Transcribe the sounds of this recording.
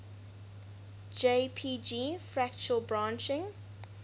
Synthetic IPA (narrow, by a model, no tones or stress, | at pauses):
d͡ʒepʰiːd͡ʒiːfɹækt͡ʃuəlˠbɹãːˑnt͡ʃɪ̃ŋ